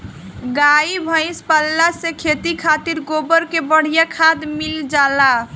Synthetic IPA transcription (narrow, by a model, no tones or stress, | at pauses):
ɡaibʱə̃ɪspalːasekʰet̪ikʰat̪iɾɡobəɾkebəɽ̤ijakʰad̪mild͡ʒala